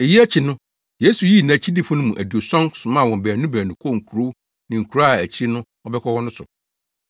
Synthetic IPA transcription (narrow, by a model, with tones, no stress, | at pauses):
e˨ji˦æ˦t͡ɕʰi˨nʊ̃˦ | je˦su˨ji˦nã˨t͡ɕʰi˦di˦fʊ̃˦nʊ̃˦mũ˨ʔæ˨du˨o˨sɔ̃˦ŋsʊ˨mã˦˨wɔ̃˨m˨bæː˨nũ˦bæː˨nʊ̃˨kʰo˦˨ŋ̩˨kʰu˨ɾo˦ | nɪ̃˨ŋ̩˨kʰu˨ɾa˦˨æ˨t͡ɕʰi˦nʊ̃˦ | ɔ˦bɛ˦kʰɔ˦wɔ̃˦nʊ̃˦sʊ̰˨